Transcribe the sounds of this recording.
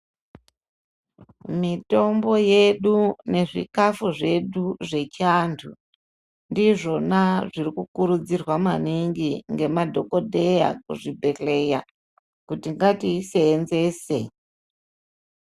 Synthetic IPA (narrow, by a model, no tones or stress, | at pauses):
mito̞mbo̞je̞ɗune̞ʐḭkafuʐe̞ɗuʐe̞t͡ʃantʰu | ndiʐo̞naʐirikukuɾud͡zirwamaniŋɡiŋɡe̞madʱo̞ko̞dʱe̞ja̰kuʐibʱe̞ɬe̞ja | kutiŋɡatiːseːnze̞ːse